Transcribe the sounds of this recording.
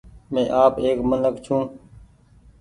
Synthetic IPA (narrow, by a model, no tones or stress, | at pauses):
mẽːʔaːpeːkmənəkt͡ʃʰũː